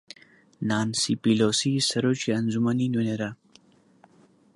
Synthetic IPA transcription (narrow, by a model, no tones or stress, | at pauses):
naːnsipiloːsisɐɾot͡ʃiɐnzumaninuneɾa